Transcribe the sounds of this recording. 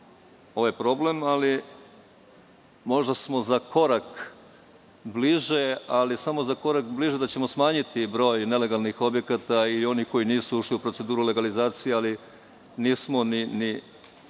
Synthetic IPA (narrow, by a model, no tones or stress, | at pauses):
o̞ʋajpɾo̞ble̞mali | mo̞ʒd̪asmo̞zako̞ɾak | bliʒealisamo̞zako̞ɾakbliʒe̞d̪at͡ɕe̞mo̞smaːɲit̪ʰibɾo̞ːjne̞le̞ɡalˠnixo̞bje̞kat̪aio̞niko̞jiniːsuuʃliupɾose̞d̪uːɾule̞ɡalizaːt̪sijeali | niːsmonini